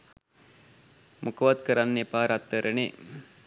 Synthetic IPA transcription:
mʔukəʋɐt̪̚kəɾanːepaːɾat̪ːəɾʔəne

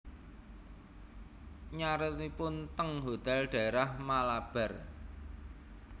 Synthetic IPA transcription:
ɲaɾət̪ipʊnt̪əŋɦot̪ɛlɖ̥a̤eɾahmalab̥ɛ̤r

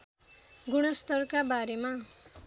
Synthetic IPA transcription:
ɡuɽ̃ʌst̪ʌrkabaɾema

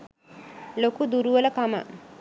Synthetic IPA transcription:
lokud̪uɾuʋɐlɐkamə̰

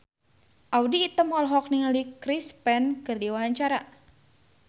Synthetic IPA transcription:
ʔawdiːt̪əmɦɔlɦɔk̚niŋalikɾispɛnkərdiwaɦaɲt͡ʃaɾa

